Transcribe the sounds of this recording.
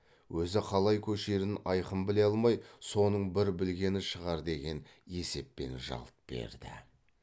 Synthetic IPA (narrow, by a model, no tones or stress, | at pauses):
wɵzɪqʰɑlˠɑjkʲʰɵʃe̞ɾɪnɑjqəmbɪle̞ɑlˠmɑjso̞nəɴbɪɾbɪlɡʲe̞nɪʃəʁɑɾd̪e̞ɡʲe̞n | e̞se̞pːe̞̰nʒɑ̰lˠt̪̚b̥e̞̰ɾd̪ɪ̰